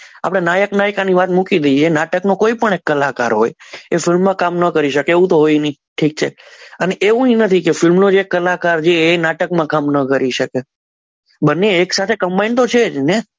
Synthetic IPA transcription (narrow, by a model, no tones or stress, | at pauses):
a̰pɽ̃enajəknajkaniʋat̪mukid̪əieenaʈəknokoipəɳekːəlaka̰ɾɦo̰jefɪlmːãkamnəkəɾiʃəkeeʋũt̪oɦoinəiʈʰik̚t͡ʃʰeəneʔeʋũĩnət̪ʰikefɪlmnod͡ʒeekːəlakaɾd͡ʒeːnaʈəkmãkamnəkəɾiʃəke | bənːeːksat̪ʰekəmbaint̪ot͡ʃʰed͡ʒne